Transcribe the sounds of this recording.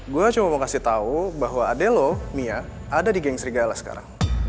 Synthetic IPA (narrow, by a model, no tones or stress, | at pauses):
ɡuat͡ʃumamokasɪt̪aubaɦwaːdɛlomiaː | dadiɡɛŋsəɾiɡalahsə̥ka̰ɾa̰ŋ